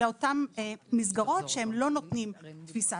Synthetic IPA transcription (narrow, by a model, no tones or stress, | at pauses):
eo̞tamːizɡaʁo̞tʃeemlo̞not̪nimt̪fisa